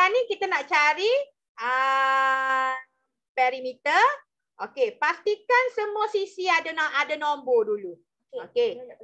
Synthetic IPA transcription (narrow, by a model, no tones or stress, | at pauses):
anĩkit̪anaʔt͡ʃaɾi | ə | pɛɾimit̪ər | ʔokepast̪ikansəmuasisiadanaadanombodulu | oke